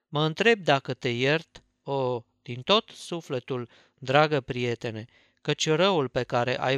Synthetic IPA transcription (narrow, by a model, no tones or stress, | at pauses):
məɨnt̪ɾe̞b̚d̪akət̪e̞jert̪ | o | d̪̥int̪o̞t̪sufle̞t̪ul | d̪ɾaɡəpɾije̞t̪e̞ne̞ | kət͡ʃʲɾəulpe̞kaɾe̞ʔa̰j